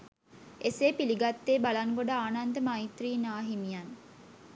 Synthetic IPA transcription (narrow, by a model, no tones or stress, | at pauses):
eseːpiliɡat̪ːeːbalaŋɡoɖaːnand̪əmait̪riːnaːɦimijan